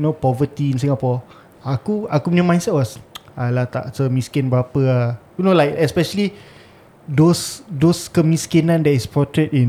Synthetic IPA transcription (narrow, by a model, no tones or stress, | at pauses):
nopɔvət̪ĩːnsĩŋɡapɔ | akuakumənɛ̃mãjnsɛt̚wɔsalat̪a̰ʔsəmiskɪ̃nbəapəajunolajkɛspɛʃəli | dosdoskəmiskinãndɛtispɔtɹɛtĩn